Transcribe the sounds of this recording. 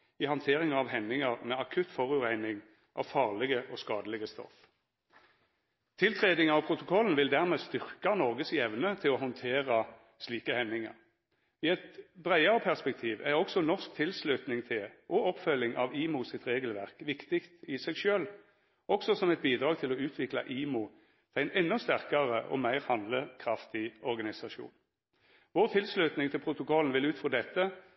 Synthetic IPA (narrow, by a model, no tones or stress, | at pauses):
ihɑnt̪ʰeːʁɪŋɑʋɦɛnːɪŋɑʁmɛɑkʰʉt̪fɔʁʉʁæɪnɪŋ | ʔɑ̰ʋfɑːʁlɛɡəʔɔskɑːd̪əlɛɡəst̪ɔ̰f | t̪ʰɪlt̪ʰʁeːd̪ɪŋɑʋpʰʁʊt̪ʊkʰɔln̩ʋɪld̪æʁmɛst̪ʏʁkɑnɔʁɡəsjɛʋnət̪ʰɪlɔɦɔnt̪ʰeːʁɑ | sliːkəhɛnːɪŋɑ̰ʁ | ʋɪɛt̪bʁæɪɑʁəpʰæʁspɛk̚t̪ʰiːʋæʁɔksɔnɔʁsk̚t̪ʰɪlslʉt̪nɪŋt̪ʰɪʔɔɔpfœlːɪŋʔɑʋiːmʊsɪt̪ʁeːɡəlʋæʁkʋɪkt̪ɪkt̪ɪsɛɡʃøːl | ɔksɔsɔmɛt̪̚biːd̪ʁɑːɡt̪ʰɪlɔʉːt̪ʰʋɪklɑ̰ʔiːmʊ | d̪̥ʰæɪnɛnːɔst̪æʁkɑʁəʔɔ̰mæɪʁhɑnd̪ləkʰɾɑft̪ɪɔʁɡɑnɪsɑʃṵːn | ʋoːʁt̪ʰɪlslʉt̪nɪŋt̪ʰɪlpʰʁʊt̪ʊkɔln̩ʋɪlʉːt̪fɔʁd̪ɛt̪ːə